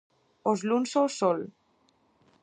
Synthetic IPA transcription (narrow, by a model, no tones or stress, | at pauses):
ozlunsowsɔl